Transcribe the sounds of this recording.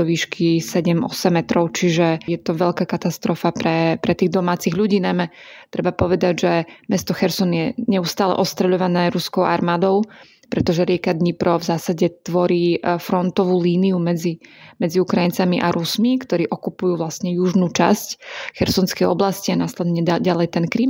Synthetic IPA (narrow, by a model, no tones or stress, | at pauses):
ɔʋiːʃkʰisɛɟɛmʔɔ̰sɛmːɛt̪ɾɔʊt͡ʃiʒɛjɛt̪ɔʋɛʎkaːkat̪ast̪ɾɔfapɾɛpɾɛt̪iːɣd̪ɔmaːt͡siɣʎuɟiːnajmɛt̪ɾʔɛbapɔʋɛd̪aɟʒɛmɛst̪ɔxɛɾsɔnjɛɲɛust̪aːlɛ̰ʔɔst̪ɾɛʎɔʋanɛːɾuskɔʊʔa̰ɾmaːd̪ɔʊ | pɾɛt̪ɔʒɛɾɪɛkad̪ɲipɾɔvzaːsaɟɛt̪ʋɔɾiːfɾɔnt̪ɔʋuːliːniumɛd͡zimɛd͡ziukɾajint͡samiʔaɾusmikt̪ɔɾiːʔɔkupujuːʋlasɲɛjuʒnut͡ʃa̰scxɛɾsɔnskɛjɔblascianaslɛd̪ɲɛɟalɛjt̪ɛnkɾiːm